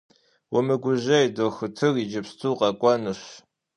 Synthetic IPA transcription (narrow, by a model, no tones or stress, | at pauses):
wɔmɨɡʷʊʑɐjdoxɨtʰɨrid͡ʒɐpstʰuːqʼɑkʷʼɑnɨɕ